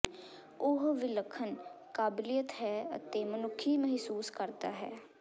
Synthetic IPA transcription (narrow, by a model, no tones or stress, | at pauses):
ʊɦʋɪləkʰːənkaːbɪlijət̪ɦɛːə̰t̪eːmənʊkʰːiːməɦsuːskəɾd̪aːɦɛː